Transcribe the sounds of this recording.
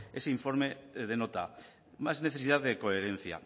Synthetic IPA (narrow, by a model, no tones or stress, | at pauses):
eseiɱfo̞ɾmeðenot̪a | mazneθesiðaððekoeɾẽn̟θja̰